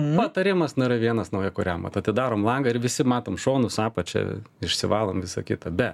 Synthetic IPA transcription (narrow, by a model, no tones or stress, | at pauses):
pɐt̪ɐɾʲɪːmɐsnʊiːɾɐʋʲiɛnɐsnɐʊjɛkʊɾʲɛmʋɐ̰t̪ɐt̪ʲɪd̪ɑːɾoːmlˠɐŋɡɐɪɾʋʲɪsʲɪmɑːt̪oːmʃoːnʊsɑːpɐt͡ʃʲɛ̰ɪʃʲsʲɪʋɑːlˠoːmʋʲɪsɐkʲɪt̪ɐbʲɛt